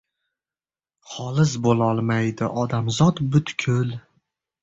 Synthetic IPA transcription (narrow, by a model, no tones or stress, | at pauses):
χɒlˠɪzbolˠɒlˠmajd̪ɪʔɒd̪amzɒt̪bʊt̪kʲʰʊl